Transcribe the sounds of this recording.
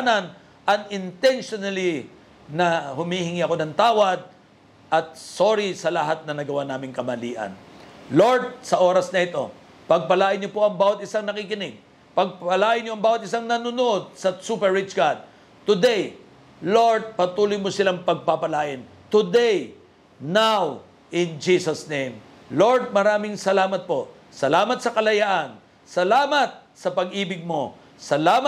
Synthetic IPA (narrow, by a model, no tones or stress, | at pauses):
nɐn | ʔɐŋɪnt̪ɛnʃonɐli | nɐhʊmihɪŋiʔɐko̞nɐŋt̪aːwɐd̪̚ | ʔɐt̪̚soːɾisɐlɐɦat̪̚nɐnɐɡɐwanaːmɪŋkɐmɐlḭːʔɐ̰nlo̞ɹt̪̚sɐʔo̞ːɾɐsnɐʔɪt̪o̞ | pɐɡ̚pɐlaːʔɪnɲopo̞ʔɐŋbaːwɐt̪̚ɪsaŋnɐkikɪnɪɡ̚ | pɐɡ̚pɐlaːʔɪnɲoɐŋbaːwɐt̪̚ɪsaŋnɐnʊnod̪̚sɐsupɛɹːɪt͡ʃɡad̪̚ | t̪ʊd̪ɛj | lo̞ɹd̪̚pɐt̪uːlʊjmosɪlaŋpɐɡ̚papɐlaːʔɪn | t̪ʊd̪ɛj | naw | ʔɪnd͡ʒisɐsnẽjm | lo̞ɹd̪̚mɐɾaːmɪŋsɐlaːmɐt̪̚po̞ | sɐlaːmɐt̪̚sɐkɐlɐjaʔɐn | sɐlaːmɐt̪̚ | sɐpɐɡʔiːbɪɡ̚mo | sɐlaːm